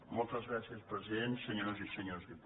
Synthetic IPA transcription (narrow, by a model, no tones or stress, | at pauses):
molˠt̪əzɣɾasiəspɾəziðensːəɲoɾozisəɲozðip